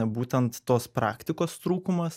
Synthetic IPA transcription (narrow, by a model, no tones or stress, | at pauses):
buːt̪ʲɛnt̪ːoːspɾɑːkt̪ʲɪkoːst̪ɾuːkʊmɐs